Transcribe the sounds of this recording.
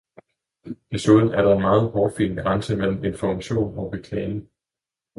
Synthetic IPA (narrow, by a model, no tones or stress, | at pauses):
de̝suðˠn̩æɐɾɑ̈e̝nmɑ̈ːð̞̩ˠhɒːd̥fḭːnɡ̥ʁɑ̈nsəmel̰m̩e̝nfɒmæɕo̝̰ːnɒ̽b̥e̝kʰlɛ̰ːne̝ŋ